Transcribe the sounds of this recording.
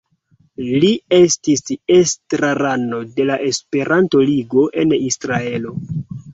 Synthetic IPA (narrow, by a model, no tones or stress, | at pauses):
lie̞stisestɾaɾano̞de̞laʔe̞spe̞ɾʔanto̞liɡo̞ʔe̞nisɾae̞lo̞